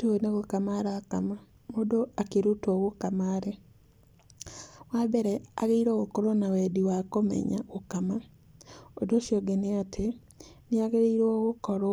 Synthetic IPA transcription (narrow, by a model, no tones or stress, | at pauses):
toneɣokamaɾakama | modoakeɾutoɣokamaːɾe | wabɛɾɛa̰ɣeiɾoɣokoɾonawɛdiwakomɛ̰ɲa̰ɣokama | odoʃjoɡeneatʰe | neaɣeɾeiɾoɣokɔɾo